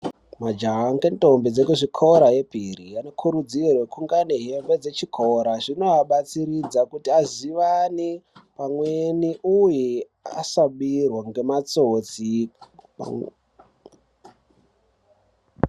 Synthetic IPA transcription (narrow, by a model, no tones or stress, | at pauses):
mad͡ʒaɦaŋɡento̞mbid͡zekuʐikʰoɾaje̞pirijano̞kʰuɾud͡zirwekuŋɡaneɦembed͡ze̞t͡ʃikʰoɾaʐino̞aɓat͡siɾid͡zakutiaziʋanipamweniʔuje | a̰saɓirwaŋɡe̞mat͡sot͡si